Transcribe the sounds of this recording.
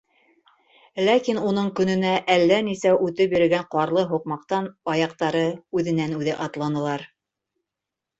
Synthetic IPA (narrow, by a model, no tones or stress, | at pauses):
lækinun̪ɤɴkɵ̆nɵ̆næʔælːænisæʔʉt̪ɘpjɵ̆ɾɘ̆ɡæɴqɑɾlˠɤɦuqmɑqt̪ɑnbɑjɑq̚t̪ɑɾɤʉðɘ̆nænʉðɘʔɑt̪lˠɑnɤ̆lˠɑɾ